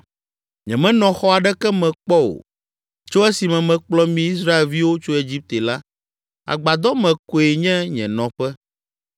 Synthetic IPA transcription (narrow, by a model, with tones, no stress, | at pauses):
ɲɛ̰̃˨mɛ̃˦nɔ̃˨xɔ˦a˨ɖɛ˦kɛ˦mɛ̃˨k͡pɔ˦wo̰˨ | t͡ʃo˦ɛ˦si˨mɛ̃˨mɛ̃˨k͡plɔ˦mĩ˦i˦s̬ɾa˦e˨lvi˦wo˦t͡ʃo˦e˨d͡ʑi˦p̚t̪e˨la˦ | a̰˨ɡ͡ba˨d̪ɔ˦mɛ̃˨ko˨e˨ɲɛ̃˦ɲɛ̃˨nɔ̃˨ɸɛ˦